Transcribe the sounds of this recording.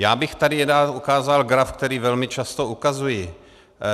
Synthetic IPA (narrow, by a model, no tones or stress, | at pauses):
jaːbɪxt̪adɪjɛdaukaːzalɡɾafkt̪ɛɾiːvɛlmɪt͡ʃast̪oukazujɪ